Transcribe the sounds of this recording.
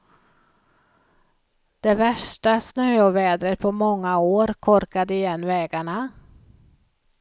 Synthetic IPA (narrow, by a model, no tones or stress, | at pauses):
d̪̥ɛvæʂʈasnøːɔvɛːd̪ɾət̪̚pʰɔmɔŋːaoːɾkʰɔɾkad̪əɪjɛnːvɛːɡaɳa